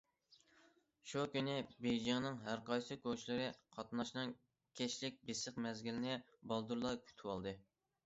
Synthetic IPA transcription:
ʃukʲynɪbejd͡ʒɑŋnɨŋɦæɾqɑjsɨkʲʰot͡ʃʰlɪɾɪqʰɑt̪nɑʃnɨŋ | kʲʰɛʃlɪk̚ʲbesəqmɛzɡʲilɪnɪ | bɑlˠd̪uɾlˠɑkʲʰy̥t̪ʰwɑlˠd̪ɨ

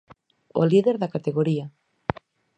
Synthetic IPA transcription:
o̰liðeɾðakat̪eɣoɾia

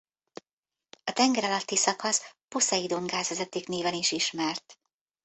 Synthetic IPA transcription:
ɒt̪ɛŋɡɛɾɒlɒt̪ːisɒkɒsposɛjid̪oŋɡaːzɛzɛt̪ːiːkneːvɛniʃiʃmɛrt̪

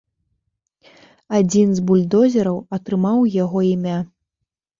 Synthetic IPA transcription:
ad͡zʲinzbulʲd̪ɔzʲɛɾɐwɐt̪ɾɨmawjaɣɔimʲa

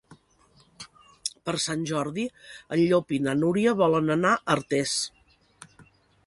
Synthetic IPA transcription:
pəɾsanʲʒɔɾðiəʎʎːopinənuɾiəβɔlənənaʔəɾt̪es

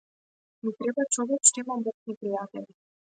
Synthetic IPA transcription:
mit̪ɾɛbat͡ʃɔvɛkt͡ʃt̪imab̪ɔknipɾijat̪ɛlʲi

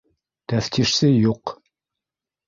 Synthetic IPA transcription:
t̪æft̪ʰiʃsɘjuq

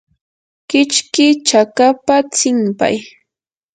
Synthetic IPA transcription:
kɪt͡ʃkɪt͡ʃakapat͡sɪmpa̰j

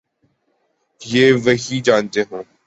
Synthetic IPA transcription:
jeːʋəɦiːd͡ʒãːnt̪eːɦõː

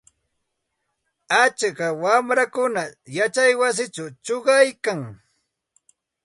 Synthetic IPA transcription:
at͡ʃkawamɾakʊnajat͡ʃajwas̬ɪt͡ʃawt͡ʃoɢɑjkaŋ

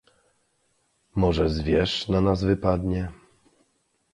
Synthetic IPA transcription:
mɔʐɛzvʲjɛʂnanazvɘpad̪ɲɛ

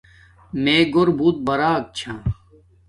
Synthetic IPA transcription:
meːɡoɾbʱuːt̪̚bɐɾaːk̚t͡ɕʰãː

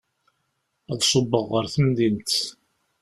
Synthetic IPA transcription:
æðsˤəbːəʁːəɾθəmðint̪

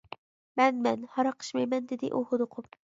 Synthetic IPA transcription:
manmanhɒɾɑqʰɨ̥ʃmajmand̪ɪd̪ɪ̰ʔʊhʊd̪ʊqʰʊp

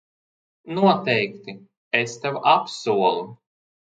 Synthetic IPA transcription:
nuɔt̪ɛjkt̪i | est̪ɛwapsuɔlˠu

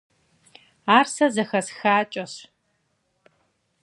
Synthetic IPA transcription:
aːrsɐzɐxɐsxaːt͡ʃʼɐs

